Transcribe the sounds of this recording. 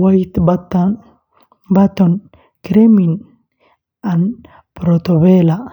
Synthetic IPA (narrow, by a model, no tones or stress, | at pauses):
wait̪bat̪ː | bat̪ɔn | kɾemin | an | pɾɔt̪ɔbela